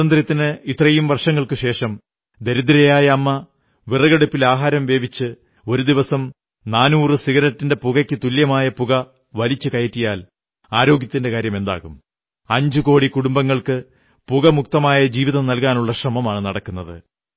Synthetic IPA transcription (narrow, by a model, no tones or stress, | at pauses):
ɐnd̪rjɐt̪ːinɨit̪rɐjumʋɐrʂɐŋːɐɭkɨɕe̞ːʂɐm | d̪e̞ɾud̪iɾɐjaːjɐːmːɐ | ʋirɐɣɐɽupːilaːɦaːɾɐmʋe̞ːbit͡ɕːɨ | o̞ɾud̪iʋɐsɐm | naːnuːrɨsiɣɐɾɐtːindepuɣɐkʲːɨt̪uljɐmaːjɐpuɣɐ | ʋɐlit͡ɕːɨkɐjɐtːijaːl | aːɾo̞ːɡjɐt̪ːinde̞kaːɾjɐme̞nd̪a̰ːɣum | ɐɲd͡ʑuko̞ːɽikuɽumbɐŋːɐɭkɨ | puɣɐmuk̚t̪ɐmaːjɐd͡ʑiːʋiðɐmnɐlkaːnuɭːɐɕrɐmɐmaːɳɨnɐɽɐkːunːɐðɨ̰